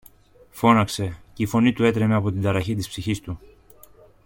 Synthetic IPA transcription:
fo̞nɐkse̞ceifo̞nit̪ue̞t̪ɾe̞me̞ɐpo̞t̪ind̪ɐɾɐçit̪ispsiçist̪u

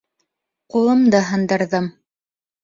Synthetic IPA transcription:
qulˠɤ̆md̪ɤɦɤ̆nd̪ɤ̆ɾðɤm

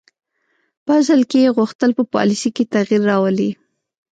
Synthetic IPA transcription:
pəzəlkejeɣʊxt̪əlpəpɑ̰lisiket̪aɣiɾːɑwəli

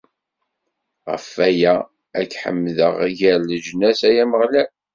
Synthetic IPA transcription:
ʁə̰fæjæ | ækħə̰mːðəʁʝælləd͡ʒnæsæjæməʁlæl

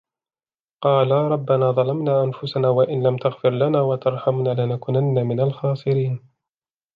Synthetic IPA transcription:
qɑːlaːɾˤɑbːanaːðˤɑlamnaːʔanfʊsanaːwaʔɪnlamt̪aɣfɪɾlanaːwat̪ɑɾˤħamnaːlɪnakʊnanːamɪnalxɑːsˤɨɾiːn

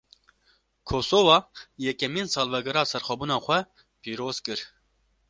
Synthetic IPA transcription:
kʰoːsovɑːjɛkɛmiːnsɑːlvɛɡɛɾɑːsɛɾxʷɛbuːnɑːxʷɛ | piːɾoːz̥kɨɾ

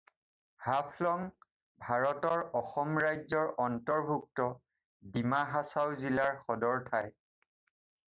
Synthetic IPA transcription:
hapʰlɔŋ | bʱaɹɔtɔɹɔxɔmɹajzɔɹɔntɔɹbʱuk̚tɔ | dimaɦasawzilaɹxɔdɔɹtʰaj

